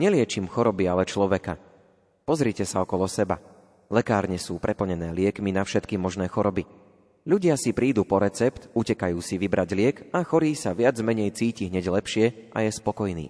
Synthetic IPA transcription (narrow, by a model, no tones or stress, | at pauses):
ɲɛlɪɛt͡ʃimxɔɾɔbialɛt͡ʃlɔʋɛka̰ | pɔzɾicɛsaɔkɔlɔsɛba̰ | lɛkaːɾɲɛsuːpɾʔɛpl̩ɲɛnɛːlɪɛkminafʃɛt̪kimɔʒnɛːxɔɾɔbi | ʎuɟɪasipɾiːd̪uːpɔɾɛt͡sɛpt̪ucɛkajuːsiʋibɾaɟlɪɛkaxɔɾiːsaʋɪad͡zmɛɲɛjt͡siːciɦɲɛɟlɛpʃɪɛʔa̰jɛspɔkɔjnḭː